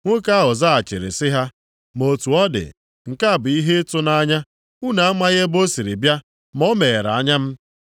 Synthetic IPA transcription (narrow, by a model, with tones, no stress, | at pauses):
ŋʷʊ˦ka˦ɦʊ˨za˦a˨t͡ʃɪ̰˨ɾɪ̰˨sɪ˦ɦa˦ | mo˨tu˨ɔ˦dɪ̰˨ | ŋ̩˨ka˦˨bʊ˨i˦ɦe˦tʊ˦na˦ɲa˦ | u˦na˨a˦ma˦ɣe˦bo˦si˨ɾi˨bja˦ | mɔ˦me˨ɾa̰˨˦ɲa˦m̩˦